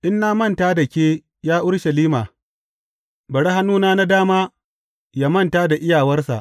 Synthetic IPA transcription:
ʔɪ˦nːaː˦mɐ˦˨ntaː˦da˨kʲeː˦ | jaː˦ʔʊ˦ɽʃɐ˨liː˦maː˨ | bɐ˨ɽa˦ɦa˦nuː˦naː˦na˦daː˦maː˦ | ja˦mɐ˦˨ntaː˦da˨ʔɪ˦jaː˨wɐ˦rsa̰˨ʔ

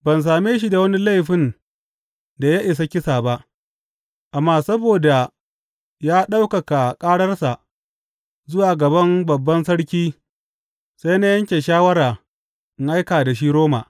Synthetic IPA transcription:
bɐ˨ns̬aː˨meː˦ʃ̬i˦da˨wɐ˦ni˦la˦˨jɸɪ˦n | da˨ja˦ʔɪ˨s̬ɐ˦kʲɪ˦saː˨ba˦ʔ | ʔa˨mːaː˦sɐ˦boː˨da˨ | jaː˦ɗa˦wkɐ˨ka˨kʼaː˦ɽɐ˦rsa˨ʔ | zʊ˦waː˨ɡɐ˨bɐ˦mbɐ˨bːɐ˦nsɐ˦ɽkʲiː˦ | sa˦jna˦jɐ˦ŋkʲe˨ʃaː˦wɐ˦ɾaː˨ | ʔɪ˨ŋʔa˦jkaː˨da˨ʃ̬i˦ɾoː˦ma̰˨ʔ

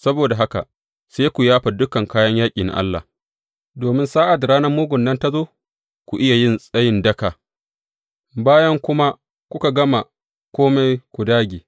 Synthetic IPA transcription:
sɐ˦boː˨da˨ɦa˦ka̰˨ | seː˦kʷu˨jaː˦ɸa˨dʊ˦kɐ˨ŋkaː˦jɐ˦ɲjaː˦kʲʼiː˨na̰˨ʔa̰˦lːa̰˨ | doː˨mɪ˦nsaː˦ʔa˨dɾaː˦nɐ˦rmuː˦ɡʷʊ˨nːɐ˦nta˦zoː˦ | kʷu˨ʔɪ˦ja˨jɪ˦nsʼɐ˦jɪ˦ndɐ˦ka˨ | baː˦jɐ˦ŋkʷʊ˦ma˦ | kʷʊ˦ka˨ɡɐ˦ma˨ | kʷoː˦me˦jkʷu˨daː˦ɡʲiː˨

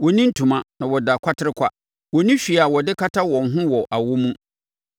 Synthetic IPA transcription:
wɔ˨nĩ˦n̩˦tʰũ˨mã˦nã˨wɔ˨da˨kʷʰa˦tʰɪ˦ɾɪ˦kʰʷa˦ | wɔ˨nĩ˦ɕᶣi˨a˨wɔ˨dɪ˦kʰa˦tʰa˦wɔ̃˨n̩˨ɦʊ̃˦wɔ˨ʔa˨wo˦mũ˦

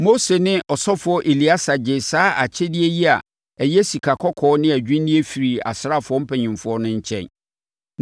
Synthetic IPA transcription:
mo˦se˨nɪ̃˦ʔɔ˨sɔ˦fʊ˨ɔ˦ʔe˨li˨˦a˦sa˨d͡ʑe˨saː˦ʔa̰˨t͡ɕʰɛ˦dɪ˦ɛ˦ji˦a̰˨ | ɛ˨jɛ˦si˨kʰa˨kʰɔ˦kʰɔː˨˦nɪ̃˦æ˨d͡ʑᶣĩ˦n˦nɪ̃˦e˦fi˨ɾi˨a̰˨sɾa˦˨fʊ˦ɔ˦m̩˦pʰɛ˨ɲĩ˨mfʊ˦ɔ˦nʊ̃˦ɲ̩˦t͡ɕʰɛ̰̃˨n

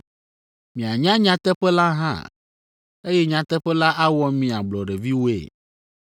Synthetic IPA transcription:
mĩ˨a˨ɲã˦ɲã˦t̪ɛ˦ɸɛ˦la˦ɦã̰˦˨ | e˦jɛ˦ɲã˨t̪ɛ˦ɸɛ˦la˦ʔa˦wɔ˦mĩ˨a˨ɡ͡blɔ˨ɖɛ˨vi˦wo˦ḛ˨

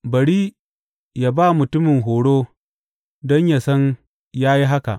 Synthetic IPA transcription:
bɐ˨ɽiː˦ | jaː˨baː˦mʊ˨tʊ˦mɪ˨ŋɦoː˨ɽoː˦ | dɔ˦ɲja˨sɐ˦n | jaː˦ji˦ɦa˦ka̰˨ʔ

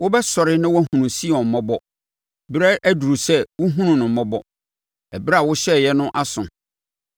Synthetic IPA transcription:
wʊ˦bɛ˦sɔ˨ɾɪ˦nã˦wɔ˦æ˦ɦũ˨nũ˨si˦˨ɔ̃˨m̩˨mɔ̃˦bɔ˦ | bɾɛ˦ʔæ˦du˨ɾu˨sɛ˦wʊ˦ɦũ˦nũ˨nʊ̃˨m̩˨mɔ̃˦bɔ˦ | ɛ˨bɾa˨wʊ˦ɕɛ˦˨jɛ˦nʊ̃˦ʔa˦sʊ̃˨

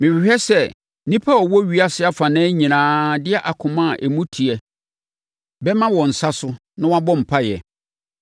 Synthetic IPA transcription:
mɪ̃˨ɥɪ˨hᶣɛ˦sɛ˦ | nĩ˦pʰa˦ɔ˨wɔ˦ɥi˨˦a˦sɪ˦a˦fã˨nɛ̃˦ɲĩ˨nãː˦dɪ˦ɛ˦ʔa˨kʰʊ̃˨mã˦˨ʔæ˨mũ˦tʰi˨ɛ˨ | bɛ˦mã˦wɔ̃˨n̩˨sa˦sʊ˦ | nã˦wa˦bɔ̃˦m̩˨pʰa˦jɛ˨

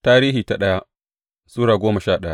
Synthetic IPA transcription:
taː˦ɾiː˦ɦiː˨ta˨ɗɐ˦ja˦ʔ | suː˦ɽaː˨ɡʷoː˦mɐ˨ʃaː˦˨ɗɐ˦ja˦ʔ

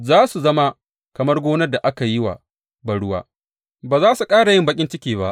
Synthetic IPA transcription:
zaː˦su˨zɐ˦ma˦ | kɐ˨mɐ˦rɡʷoː˦nɐ˦da˨ʔa˦ka˨jɪ˦wa̰˨ | bɐ˨ɽʊ˦wa̰ː˦ | baː˨zaː˦su˨kʼaː˦ɽa˨jɪ˦mbɐ˦kʲʼɪ˦nt͡ʃɪ˦kʲiː˨βba˦ʔ

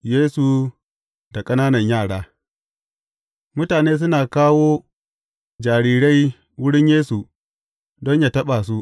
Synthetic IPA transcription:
jeː˦su˨ | da˨kʼɐ˦naː˦nɐ˨ɲjaː˦˨ɽaː˦ | mʊ˦taː˨neː˦s̬ʊ˦naː˨kaː˦woː˦ | d͡ʒaː˨ɽiː˦ɽa˦j | wʊ˦ɽɪ˦ɲjeː˦su˨ | dɔ˦ɲjaː˨tɐ˦ɓa˨s̬u˦ʔ

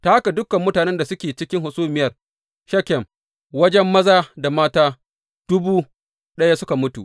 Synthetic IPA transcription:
taː˦ha˦ka˨dʊ˦kɐ˨mːʊ˦taː˨nɛ˦nda˨sʊ˦kʲeː˨t͡ʃɪ˦kʲɪ˦ŋɦʊ˨suː˦mɪ˦jɐ˨r | ʃɐ˦kʲɛ˨m | wɐ˦d͡ʒɛ˦mːɐ˦zaː˦da˨maː˦taː˦ | d̥ʊ˦buː˦ | ɗɐ˦ja˦sʊ˦ka˨mʊ˦tṵ˨ʔ

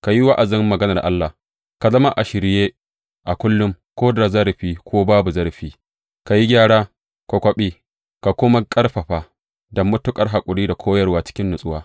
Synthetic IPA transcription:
ka˨ji˦wa˦ʔa˨zɪ˦mːɐ˨ɡɐ˦nɐ˨rʔa˦lːa˨h | ka˨zɐ˦ma˦ʔa˨ʃɪ˨ɾɪ˦jeː˦ | ʔa˨kʷʊ˦lːʊ˦m | kʷoː˦da˨zɐ˦ɾɸiː˦kʷʰoː˦baː˦bu˨zɐ˦ɾɸiː˦ | ka˨ji˦ɡʲaː˦˨ɽaː˦ | ko˨kʷɐ˦ɓiː˦ | ka˨kʷʊ˦ma˦kʼɐ˦rɸɐ˨ɸa˨ | dɐ˨mːʊ˦tʊ˦kʼɐ˨rɦa˨kʷʼʊ˨ɽiː˦da˨kʷʰoː˦jɐ˨rwaː˦t͡ʃɪ̥˦kʲɪ˦nːʊ˨sʼʊ˦waː˦

